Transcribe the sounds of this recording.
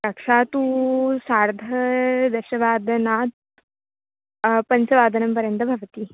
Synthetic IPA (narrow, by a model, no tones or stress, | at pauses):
kɐkʂaːt̪usaːɾd̪ʱɐd̪ɐɕɐʋaːd̪naːt̪̚ | pɐnt͡sɐʋaːd̪ʱənɐmpɐɾjɐnt̪ɐbʱɐʋt̪iː